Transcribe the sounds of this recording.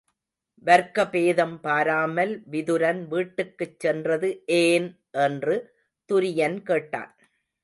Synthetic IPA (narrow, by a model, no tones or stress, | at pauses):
ʋɐɾkɐpeːðɐmpaːɾaːmɐlʋɪðɯɾɐnʋiːʈːɯkːɯt͡ʃːɛndrɐðɯʔeːn | ʔɛndrɯ | t̪ʊɾɪjɐnkeːʈːa̰ːn